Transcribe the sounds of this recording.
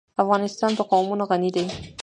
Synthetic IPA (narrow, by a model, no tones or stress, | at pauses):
afɣɑnɪst̪ɑnpəqɑwmunoɣanid̪aj